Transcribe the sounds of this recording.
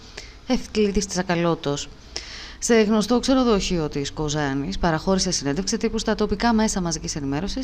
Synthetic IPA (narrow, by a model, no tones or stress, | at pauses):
e̞fklit̪ist̪i̥sɐkɐlo̞t̪o̞s | se̞ɣno̞st̪okse̞ɾo̞ðoçio̞t̪isko̞zɐnispɐɾɐxo̞ɾise̞sine̞nd̪efkset̪ipust̪ɐt̪o̞pikɐme̞sɐmɐzicise̞nime̞ɾo̞sis